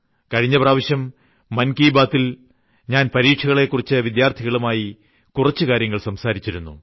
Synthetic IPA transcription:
kɐɻiɲːɐpraːʋɐɕjɐmː | ɐnkiːbaːt̪ːil | ɲaːnpɐɾiːʈʂʰɐɣɐɭe̞kːurit͡ɕːɨʋid̪jaːrt̪ʰiɣɐɭumaːji | kurɐt͡ɕːɨkaːɾjɐŋːɐɭsɐmsaːɾit͡ɕːiɾunːṵ

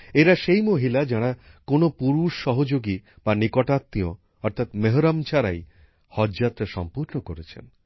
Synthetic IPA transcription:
eɾaʃejmoɦilad͡ʑaɽ̃akonopuɾuʃːɔɦod͡ʑoɡi | banikɔʈat̪ːio̰ | ɔɾt̪ʰat̪meɦoɾamt͡ɕʰaɾa̰j | hɔd͡ʑat̪ɾaʃɔ̰mpuɾnokoɾet͡ɕʰḛn

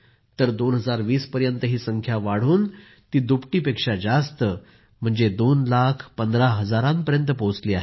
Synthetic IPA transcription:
t̪əɾd̪onɦəd͡zaɾʋiːspəɾjənt̪əɦiːsəŋkʰjaʋaɽ̤uːn | t̪iːd̪upʈiːpekʂad͡zast̪ə | m̤əɳd͡zed̪onlakʰpənd̪ɾaɦəd͡zaɾãmpəɾjənt̪əpõt͡sliːaɦe

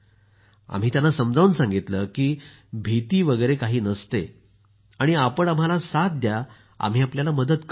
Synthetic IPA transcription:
a̰m̤iːt̪janːasəmd͡zaʋuːnsãŋɡit̪ləkiː | bʱit̪iːʋəɡəjɾekaɦiːnəst̪e | aɽ̃iapəɳam̤alasat̪̚d̪ja | a̰m̤iːapljalaməd̪ət̪k

